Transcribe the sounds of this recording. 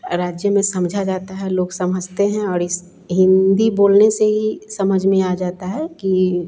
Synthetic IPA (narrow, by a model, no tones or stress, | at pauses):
ɾaːd͡ʒjəmẽsɐ̃md͡ʒʱad͡ʒaːt̪aɦɛloːɡsɐməd͡ʒt̪eɦɛ̃ɔːɾɪs | ɦɪ̃nd̪iboːlneseɦisɐməd͡ʒʱmẽad͡ʒaːt̪aɦɛki